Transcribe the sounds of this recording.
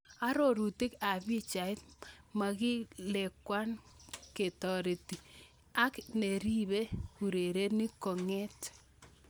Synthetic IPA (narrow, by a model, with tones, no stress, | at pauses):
a˦ɾo˦˨ɾu˨tɪ˦ka˨βi˦t͡ʃa˨ɪ˦tma˨ɣɪ˦le˨kwa˦nke˨tɔ˨ɾe˨ti˨ | a˦kne˨ɾi˦βe˦ku˨ɾe˨ɾe˦ni˦kɔ˨ŋe˦t